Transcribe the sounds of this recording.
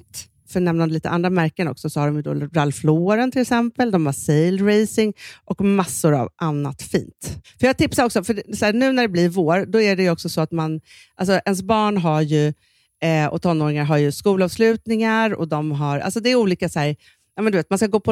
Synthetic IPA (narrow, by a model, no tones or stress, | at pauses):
t̪ | fœɳɛmnanliːt̪ə̰ʔa̰nd̪ɾamæɾkənɔ̰ksɔsɔhaɖɔmjɵd̪ɔ̰ɾalfloːɾənt̪ʰɪlɛksɛmpəld̪ɔmhasejlɾejsɪŋʔɔkmasːʊɾa̰vʔanːa̰t̪fḭːnt̪fœɾjɑːɡ̚t̪ʰɪpsaɾɔksɔfœɖsæːɳʉ̟ːnæɖɛblɪɾvoːɾd̪ɔæɖɛjɵɔksɔsɔat̪man | ʔalsɔʔɛns̬bɑːɳɦaɾjɵ | ɔ̰t̪ʰɔnːoːɾɪŋaɾɦaɾjɵskuːlaːvslʉ̟ːt̪nɪŋaɾɔ̰d̪ɔmɦaɾa̰lsɔd̪ɛæuːliːkasæːɾ | nɑːmɛnd̪ɵveːt̪manskaɡoːpʰɔ